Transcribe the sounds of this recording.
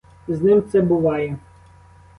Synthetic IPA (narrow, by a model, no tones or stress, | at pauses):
znɪmt̪sɛbʊʋɑjɛ